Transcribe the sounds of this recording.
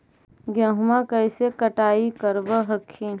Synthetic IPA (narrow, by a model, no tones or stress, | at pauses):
ɡjɐ̃ːɦʊmakɐɪsekəʈaːikəɾbəɦəkʰːiːn